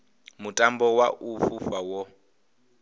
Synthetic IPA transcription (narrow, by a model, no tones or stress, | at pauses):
mutʼambɔwaʔufufawɔ